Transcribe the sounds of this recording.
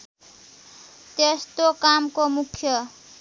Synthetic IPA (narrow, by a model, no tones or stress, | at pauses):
t̪est̪okamkomukʰjʌ